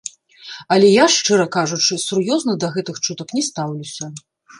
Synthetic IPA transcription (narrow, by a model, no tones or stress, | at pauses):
ɐlʲɛjaʂt͡ʂɛɾɐkaʐut͡ʂɨsurjɔznɐd̪ɐɣɛt̪ɨxt͡ʂut̪ɐknʲɛst̪awlʲusʲɐ